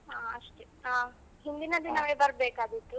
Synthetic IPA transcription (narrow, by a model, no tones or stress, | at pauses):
ɦaːɐʂʈe | aː | ɦind̪inɐd̪inɐʋebɐɾbeːkaːd̪it̪ːu